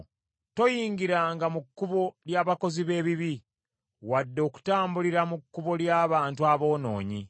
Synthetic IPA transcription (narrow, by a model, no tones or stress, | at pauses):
to̞jiːŋɡiɾaːŋɡamukːuβo̞ljaːβako̞ziβe̞ːβiβi | wadːo̞ːku̥taːmbuliɾamukːuβo̞ljaːβaːntuaβo̞ːno̞̰ːɲḭ